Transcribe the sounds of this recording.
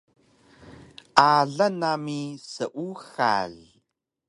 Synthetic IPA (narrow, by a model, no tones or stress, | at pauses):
aːɮɐnaːmiːsɨʔʷuxa̰ːɮ